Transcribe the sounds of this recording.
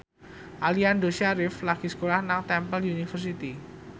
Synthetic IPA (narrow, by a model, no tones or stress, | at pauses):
ʔaliandoʃaɾɪflaɡ̥isə̥kolahnaŋt̪ɛmpəlunifərsit̪i